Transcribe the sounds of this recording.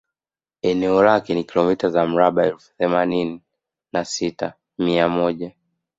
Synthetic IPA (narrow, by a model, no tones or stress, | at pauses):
ɛnɛɔlakɛnikilɔmitazam̩ɾaɓaɛlfu̥θɛmanini | nasita | miamɔʄa